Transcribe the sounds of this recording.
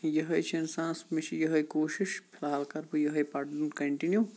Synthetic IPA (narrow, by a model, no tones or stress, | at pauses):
jɐɦɐjt͡ʃʰiɪnsãːnsmet͡ʃʰijɐɦɐjkoːʃiʃpʰɪlaːlkɐɾbujɐɦɐjpɐʈnkɐɳʈinjuː